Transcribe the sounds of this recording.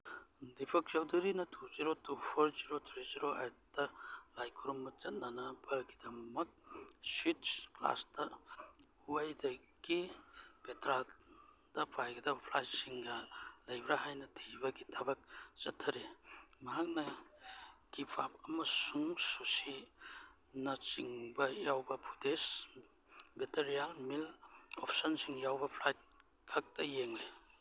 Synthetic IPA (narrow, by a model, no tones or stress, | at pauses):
dipʰɐk̚t͡ʃɐwduɾinɐtʰuziɾotupʰoɾziɾotʰɾiziɾoʔa̰jtɐlajkʰuɾumːɐt͡ʃɐt̚nanɐbɐɡidɐmɐk̚switspla̰sdɐ | uajdɐɡipetɾa | d̥ɐpʰajɡɐd̪ɐbpʰlajsiŋɡɐlɐjbɾaɦajnɐtʰibɐɡitʰɐbak̚t͡ʃɐtʰːɐɾimɐɦak̚nɐ | ɡ̥ipʰap̚ɐmɐsuŋsusi | nɐt͡ʃiŋbɐjawbɐpʰudes | beteɾialmilɔ̰pʰsɔnsiŋjawbɐpʰlajt̚ | kʰɐk̚tɐjeŋli